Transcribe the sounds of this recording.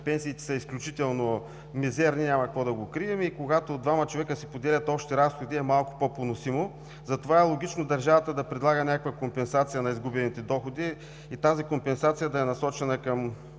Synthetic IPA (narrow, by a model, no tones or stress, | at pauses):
pɛnsiːt̪ɛ̥səisklʲut͡ʃit̪ɛlˠno | mizɛɾninʲamɐkɐkvɔd̪ɐɡokɾiɛmikoɡat̪od̪vamət͡ʃovɛkəsipod̪ɛlʲɐt̪ɔpʃt̪ɛɾasxod̪iɛmalˠko̥pɔponosimo | zɐt̪ovaɛlˠoɡ̟it͡ʃnod̪ɐɾʒavɐt̪əd̪ɐpɾɛd̪lˠaɡənʲakəkvɐkompɛnsat̪sijənɐizɡubɛnit̪ɛd̪ɔxod̪i | it̪azikompɛnsat̪sijəd̪ɐɛnɐsɔt͡ʃɛnəkɐm